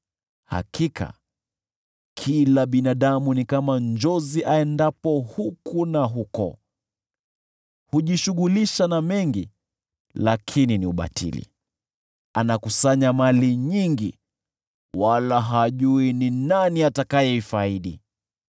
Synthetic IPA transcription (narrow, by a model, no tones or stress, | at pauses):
ha̰kʰikʰa̰ | kʰilaɓinaɗamunikamand͡ʒɔziʔaɛndapɔhukʰunaɦukɔ̰ | huʄiʃuɠuliʃanamɛŋɡi | lakʰininiuɓa̰tʰḭlḭ | anakusaɲamaliɲiŋɡḭ | walaɦaʄuininaniatakajɛifaiɗḭ